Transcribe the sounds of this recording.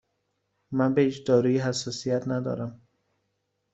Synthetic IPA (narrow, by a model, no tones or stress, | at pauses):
mænbehiːt͡ʃd̪ɒːɾuːjiɦæsːɒːsijæt̪næd̪ɒ̰ɾæm